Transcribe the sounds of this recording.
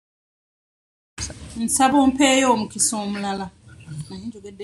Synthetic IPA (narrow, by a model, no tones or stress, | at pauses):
n̩sabɔm̩pʰɛjomukʰisɔom̩lala | nd͡ʒʱɔkɛd